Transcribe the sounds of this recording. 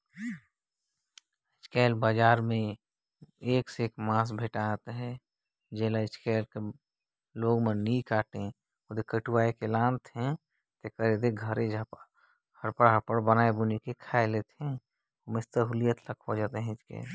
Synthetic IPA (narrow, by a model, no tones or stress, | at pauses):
ɪt͡ʃkɛːlbad͡ʒaːɾmẽ | eːkseeːkmãːs̬bʱeʈat̪ɦɛ | d͡ʒɛlaɪt͡ʃkɛːlke | loːɡmẽnikaːʈẽ | ʊd̪ekəʈuʋaːekelãːnt̪ɦɛ̃ | t̪ekəɾed̪eɡʱəɾed͡ʒp | ɡʱəɾpəɾɦapəɽbənaebunikekʰaelet̪ɛ̃ | omɪst̪əɦʊlijət̪ləkʰod͡ʒat̪eɦɛ̃ɪt͡ʃkɛ̰ːl